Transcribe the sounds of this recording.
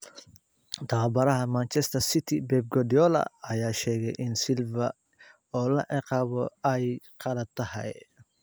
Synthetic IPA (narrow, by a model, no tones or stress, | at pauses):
t̪ʰɐʁɐbɐɾɐɦɐmant͡ʃɛst̪ʰɐrsɪt̪ʰɪbɛːb̚ɡɔd̪iɔlɐ̰ɐjaːʃɛːɣɛjʔɪnsɪlvɐ | ɔːlɐʕɪqɑːβɔɛjqʰɑlɐt̪ʰːɐhɛ̰j